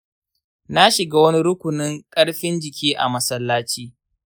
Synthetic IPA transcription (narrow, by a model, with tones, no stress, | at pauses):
na˦ʃɪ˨ɡaː˦wɐ˦ni˦ɾʊ˦kʷʊ˨nɪ˦ŋkʼɐ˦ɽɸɪ˦nd͡ʒɪ˨kʲiː˦ʔa˨mɐ˦sɐ˦lːaː˦t͡ʃiː˦